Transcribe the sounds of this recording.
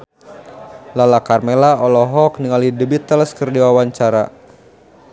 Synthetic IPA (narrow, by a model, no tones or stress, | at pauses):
lalakarmelaɔlɔɦɔkniŋalidəbit̪ːəlskərdiwawaɲt͡ʃaɾa̰